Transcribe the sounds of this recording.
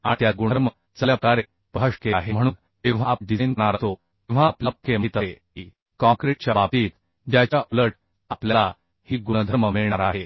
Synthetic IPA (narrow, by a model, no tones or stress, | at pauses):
ãt̪jaɡuɳəɾmə | t͡səljapkaɾe | pəɦəʂkeaɦem̤əɽ̃uːn | ẽʋ̤aɖient̪ñaɾt̪o | t̪ẽʋ̤apləp̚kemət̪əe | i | kãŋkɾeʈ̚t͡ɕjabapiːt̪ | djat͡ɕjaʔoləɾʈ | apljala | hiːɡuɳ̃əd̪ʱəɾməmeɭɳaɾaɦe